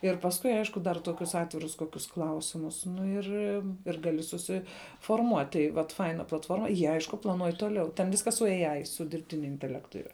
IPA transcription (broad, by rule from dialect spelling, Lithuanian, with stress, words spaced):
ɪr pɐsˈkʊɪ ˈɐɪʃkʊ dɐr ˈtoːkʲʊs ˈɑːtʲʋʲɪrʊs ˈkoːkʲʊs ˈklˠɐʊsʲɪmʊs nʊ ˈɪr ɪr ˈɡɑːlʲɪ sʊsʲɪfoːrˈmuɔtʲ tɐɪ ʋɐt ˈfɐɪnɐ plˠɐtˈfoːrmɐ ˈjiɛ ˈɐɪʃkʊ plˠɐˈnuɔj ˈtoːˌlʲɛʊ tʲɛn ˈʋʲɪskɐs sʊ ɛɪ ɐɪ sʊ dʲɪrʲpʲˈtʲɪnʲʊ ɪnʲtʲɛˈlʲæːktʊ ˈɪrɐ